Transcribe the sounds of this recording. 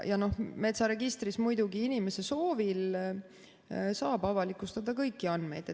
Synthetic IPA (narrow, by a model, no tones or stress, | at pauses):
jɑno̞hme̞t̪sɑɾe̞ɡ̥ist̪rismujd̪uɡiinime̞se̞so̞ːvil | sɑːbɑvɑlikˑust̪ɑd̪ɑkɤjkːiɑnd̪me̞̰jd̪̥e